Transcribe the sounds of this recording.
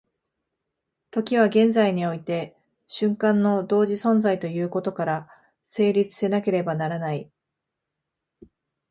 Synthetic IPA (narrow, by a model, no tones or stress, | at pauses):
t̪o̞kʲiβ̞aɡẽ̞nd͡zaiɲ̟io̞it̪e̞ | ɕɨ̃ŋkãnːo̞d̪o̞ːʑisõ̞nd͡zait̪o̞jɯ̟ːko̞t̪o̞kaɾa | se̞ːɾʲit͡sɨ̥se̞nake̞ɾe̞banaɾanai